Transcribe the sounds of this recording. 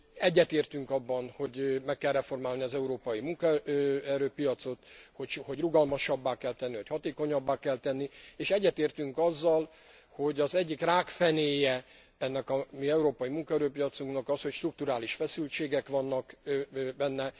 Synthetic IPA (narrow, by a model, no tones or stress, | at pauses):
ɛɟːɛt̪eːrt̪yŋkɒbːɒnho̞ɟmɛkːɛlrɛfo̞rmaːlniɒzɛuɾoːpɒjimuŋkɔɛɾøːpijɒt̪so̞t̪hoʃho̞ɟruɡɒlmɒʃɒbːaːkɛlt̪ɛnːiʋɒchɒt̪eːko̞ɲɒbːaːkɛlt̪ɛnːieːʃɛɟːɛt̪eːrt̪yŋkɒzːɒl | ho̞ɟɒzɛɟːikraːkfɛneːjɛ | ɛnːɛkɒmiɛuɾoːpɒjimuŋkɒɛɾøːpijɒt̪suŋknɒkɒsho̞cʃt̪ruk̚t̪uɾaːliʃfɛsylt͡ʃeːɡɛkʋɒnːɒkbɛnːɛ